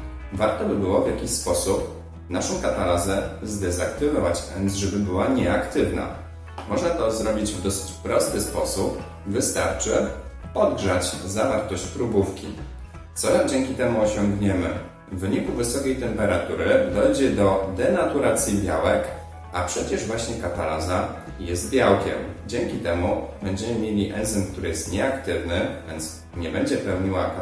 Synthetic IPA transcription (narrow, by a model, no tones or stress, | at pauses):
vaɾt̪ɔbɘbɘwɔvʲjakʲiɕspɔsup̚ | naʂɔ̃w̃kat̪alazɛzd̪ɛzakt̪ɘvɔvat͡ɕfɛnzʐɛbɘbɘwaɲɛakt̪ɘvna̰ | mɔʐnat̪ɔzɾɔbʲid͡ʑvd̪ɔsɘ̥t͡ɕpɾɔst̪ɘspɔsup | vɘst̪a̰ɾt͡ʂɘ | ɔd̪ɡʐat͡ɕzavaɾt̪ɔɕt͡ɕpɾubufkʲḭ | t̪sɔɾad͡ʑɛŋkʲit̪ɛmuɔɕɔŋɡɲɛmɘ̰ | vvːɘɲikuvɘsɔkʲejt̪ɛmpɛɾat̪uɾɘd̪ɔjd͡ʑɛd̪ɔd̪ɛnat̪uɾat̪sʲjibʲja̰wɛk | apʂɛt͡ɕɛʐvwaɕɲɛkat̪alaza | jɛst̪̚bʲjawkʲɛ̰md͡ʑɛŋkʲit̪ɛmubɛɲd͡ʑɛmɘmʲjelʲiʔɛnd̪zɘmkt̪uɾɘjɛst̪ɲɛakt̪ɘvnɘvʲjɛnt̪s | ɲɛbɛɲd͡ʑɛpɛwɲiwak